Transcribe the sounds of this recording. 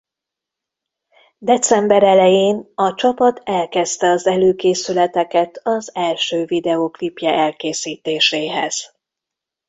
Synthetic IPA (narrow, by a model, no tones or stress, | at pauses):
d̪ɛt̪sɛmbɛɾɛlɛjeːnɒt͡ʃɒpɒt̪ʰɛlkɛst̪ɛɒzɛløːkeːsylɛt̪ɛkɛt̪ʰɒzɛlʃøːvid̪ɛoklipjɛʔɛlkeːsiːt̪eːʃeːɦɛ̰z̥